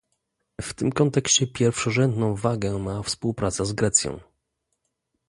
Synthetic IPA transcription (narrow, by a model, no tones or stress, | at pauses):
ft̪ɘmkɔnt̪ɛkɕt͡ɕɛpʲjɛɾfʂɔʐɛnd̪nɔ̃w̃vaɡɛmafspuwpɾat̪sɛzɡɾɛt̪sʲjɔ̰̃w̃